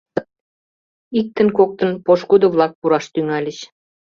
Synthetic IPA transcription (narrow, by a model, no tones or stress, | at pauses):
ik̚t̪ə̆nkok̚t̪ɤ̆npoʃkud̪ŏβlˠɑk̚puɾɑʃt̪yŋælʲə̆ɕ